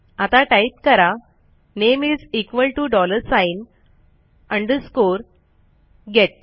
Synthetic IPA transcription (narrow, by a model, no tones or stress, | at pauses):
at̪aʈajt̪̚kəɾa | nemid͡zikʋəlʈuɖɔləɾsain | ə̃ɳɖəɾskoɾ | ɡʱɛʈ̚